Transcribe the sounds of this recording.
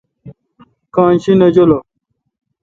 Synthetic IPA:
kãːnɕinɐd͡ʑolo

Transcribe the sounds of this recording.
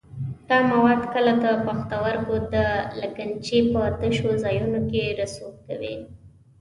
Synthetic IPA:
d̪̥ɑmawɑd̪kəlat̪apaxt̪awaɾkod̪əlakant͡ʃepət̪əʃozɑjunokeɾasokawḭ

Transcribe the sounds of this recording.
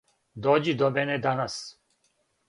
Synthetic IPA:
d̪oːd͡ʑid̪omɛned̪anas

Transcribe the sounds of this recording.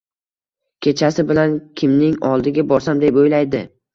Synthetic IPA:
kʲʰe̞t͡ʃʰasɪbɪlankʲʰɪmnɪŋɒlˠd̪ɪɡʲabɒɾsamd̪epojlajd̪ɪ

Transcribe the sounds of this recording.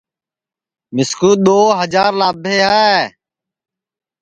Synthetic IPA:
mɪskuːɗ̪oːɦəd͡ʒaːɾlaːbʱeːaːe

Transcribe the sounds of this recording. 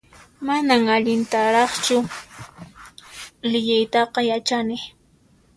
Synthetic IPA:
manaŋaʎɪnt̪aɾɑχt͡ʃʊ | lɪʎajt̪ɑqɑjat͡ʃanɪ

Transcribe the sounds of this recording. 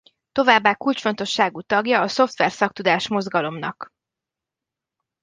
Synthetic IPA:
t̪o̞vaːbːaːkult͡ʃfo̞nt̪o̞ʃːaːɡuːt̪ɒɡjɒːso̞ft̪ʋɛrsɒkt̪ud̪aːʃmo̞zɡɒlo̞mnɒ̰k

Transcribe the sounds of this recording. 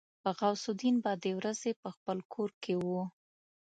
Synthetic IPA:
pəɣawsud̪inbɑd̪ewɾazepəxpəlkʰoɾkewu

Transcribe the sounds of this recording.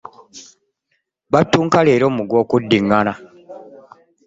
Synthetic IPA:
βatːuːŋkaleːɾo̞ːmuɡwo̞ːkudːiŋːana

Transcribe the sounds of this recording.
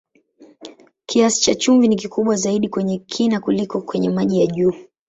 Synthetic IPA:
kʰiasi̥t͡ʃat͡ʃuɱvinikikuɓwazaiɗikwɛɲɛkʰinakulikɔkwɛɲɛmaʄijaʄuː

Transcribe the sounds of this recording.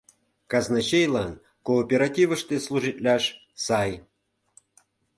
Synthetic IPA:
kɑznɑt͡ɕejlɑn | koːpʲeɾatʲivəʂt̪eslˠuʐɨtʲlʲɑʃ | sɑj

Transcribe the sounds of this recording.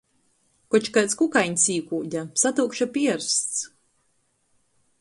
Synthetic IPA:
kɔt͡ʃkat̪skukajɲʲsiːkuːɟʲasat̪uːkʃapiɛɾst̪s

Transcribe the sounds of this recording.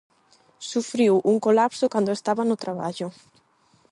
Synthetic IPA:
sufɾiwuŋkolapsʊkand̪oʊest̪aβanʊt̪ɾaβa̰ʎʊ

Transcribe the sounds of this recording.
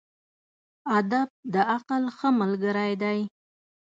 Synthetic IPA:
ad̪ab̚d̪əaqalxəmalɡəɾajd̪aj

